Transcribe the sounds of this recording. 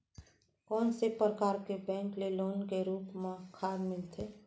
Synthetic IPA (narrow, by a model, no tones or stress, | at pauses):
kɔːnsepɾəkaːɾkebɛ̃ːŋkleloːnkeɾuːpmeãkʰaːdmɪlt̪ʰe